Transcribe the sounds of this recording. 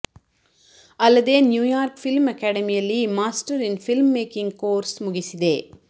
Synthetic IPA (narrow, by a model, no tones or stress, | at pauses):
ɐlːɐd̪eːnjuːjaːɾkfilmɐkaːɽɐmijɐlːimaːsʈɐɾinfilmːeːkiŋɡkoːɾsmʊɡisid̪eː